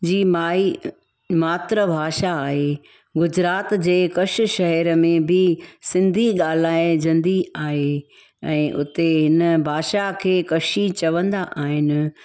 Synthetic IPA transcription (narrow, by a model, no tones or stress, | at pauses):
d͡ʑiːmaːi | maːt̪ɾəbʱaːʃaːɦe | ɡʊd͡ʑɾaːt̪d͡ʑeːkɐʃ̆ʃɐɦɛɾəmẽbʱɪsɪ̃nd̪ʱiɠaːl̤aːed͡ʑɐ̃nd̪ʱiaːɦe | ɛ̃ːʔʊt̪eɦɪnəbʱaːʃakʰeːkɐʃit͡ɕɐʋə̃nd̪aʔaːɦɪnɪ̆